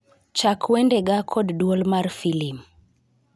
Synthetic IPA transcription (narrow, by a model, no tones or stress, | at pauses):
t͡ʃakʰwɛndɛɡakʰɔddwɔlmaɾfilim